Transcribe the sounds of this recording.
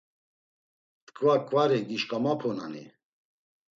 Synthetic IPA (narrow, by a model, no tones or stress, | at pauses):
t̪kʰʼvakʼvaɾɛɡiʃkʼamapʰɔna̰nḭ